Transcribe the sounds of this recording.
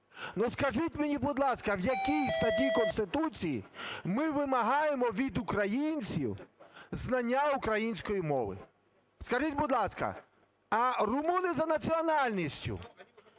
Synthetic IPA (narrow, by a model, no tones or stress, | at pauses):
nɔskɐʒitʲmenʲibʊd̪lˠɑskɐwjɐkʲijst̪ɐt̪ʲikɔnst̪ɪt̪ut͡sʲijḭmɪʋɪmɐɦɑjemɔʋʲid̪ʊkɾɐjinʲt͡sʲiwznɐnʲːaʊkɾɐjinʲsʲkɔjimɔ̰ʋɪ̰ | skɐʒitʲbʊd̪lˠɑskɐ̰ | ɐrʊmunɪzɐnɐt͡sʲiɔnɑlʲnʲisʲtʲʊ̰